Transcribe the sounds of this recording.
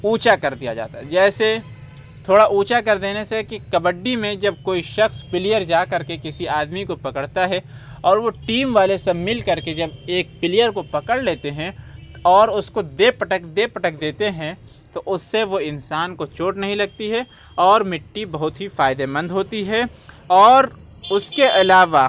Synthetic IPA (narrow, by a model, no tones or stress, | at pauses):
uːt͡ʃakɐɾd̪ija̰d͡ʒa̰ːt̪aɦɛd͡ʒɛːse | t̪ʰoːɽaʔuːt͡ʃakɐɾd̪eːnesekikɐbəɖːimẽd͡ʒɐb̚koːiʃɐxspɪlijəɾd͡ʒaːkɐɾkekɪsiaːd̪mikopɐkəɽt̪aɦɛ | ɔːɾʋoʈiːmʋaːlesemɪlkɐɾked͡ʒɐbeːk̚pɪlɪjəɾkopɐkəɽleːt̪eɦɛ̃ɔːɾʊskod̪eːpɐʈəkd̪eːpɐʈəkd̪eːt̪eɦɛ̃ | t̪oʔʊsːeʋoɪ̃nsaːnkot͡ʃoːʈnɐɦĩlɐɡt̪iɦɛ | ɔːɾmɪʈːibɐɦʊt̪ɦifaːɪd̪emɐ̃nd̪ʱɦoːt̪iɦɛ | ɔːɾ | ʊskeʔɐlaːʋa